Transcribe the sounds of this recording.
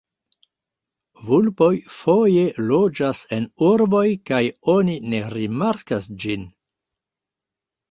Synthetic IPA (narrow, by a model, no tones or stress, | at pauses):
vulpo̞jfoje̞lo̞d͡ʒase̞nuɾbo̞jkajo̞nine̞ɾimaɾkasd͡ʒin